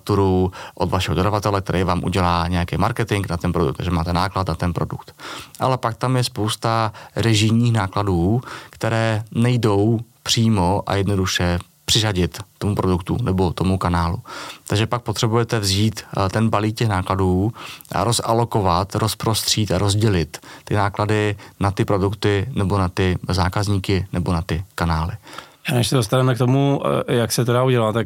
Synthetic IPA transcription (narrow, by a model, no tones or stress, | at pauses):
t̪uɾuʔod̪vaʃɛɦododavat̪ɛlɛkt̪ɛɾʔɛjvaːmʔṵɟɛlaːɲɛjakejmaɾkɛt̪ɪŋknat̪ɛnpɾodṵkt̪aɡʒɛmaːt̪ɛnaːklat̪nat̪ɛnpɾo̞dukt̪ʔa̰lɛpak̚t̪amjɛspo̞wst̪aɾɛʒɪjɲiːxnaːkladuːkt̪ɛɾɛːnɛjdo̞wpr̥iːmo̞ʔa̰jɛdno̞duʃɛ | pr̥ɪzaɟɪt̪t̪ːomupɾo̞dukt̪ṵnɛbo̞t̪o̞mukanaːlṵt̪aɡʒɛpak̚po̞t̪r̥ɛbujɛt̪ɛvziːt̪t̪ɛnbaliːk̚cɛxnaːkladuːʔa̰ɾo̞salo̞ko̞vat̪ɾo̞spɾo̞st̪r̝̥iːt̪aɾo̞zɟɛlɪt̪ːɪnaːkladɪnat̪ɪpɾo̞dukt̪ɪnɛbo̞nat̪ɪzaːkazɲiːkɪnɛbonat̪ɪkanaːlɪanɛʃsɛdos̬t̪avɛmɛk̚t̪o̞mujaksɛt̪̬ɛdauɟɛlat̪ak